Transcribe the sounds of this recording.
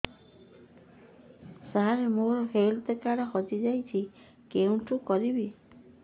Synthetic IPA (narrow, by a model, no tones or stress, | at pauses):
saɦaɾemoɾɔhelt̪ekaɽɔɦɔd͡ʒid͡ʒajt͡ʃʰi | keũʈukɔɾibi